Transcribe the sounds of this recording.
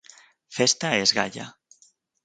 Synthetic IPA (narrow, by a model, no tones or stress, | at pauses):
fest̪aezɣa̰ʎa̰